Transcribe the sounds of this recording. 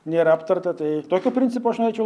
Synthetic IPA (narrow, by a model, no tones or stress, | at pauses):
nʲeːɾɐɐpt̪ɐrt̪ɐt̪ɐɪt̪oːkʲopʲɾʲɪnt̪sʲɪpuɐʃnoːɾʲeɛt͡ʃʲɛʊ